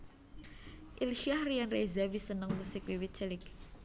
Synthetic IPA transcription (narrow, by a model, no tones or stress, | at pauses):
ʔilʃiahrianrezawisənəŋmusɪk̚wiwit͡ʃɛlɪk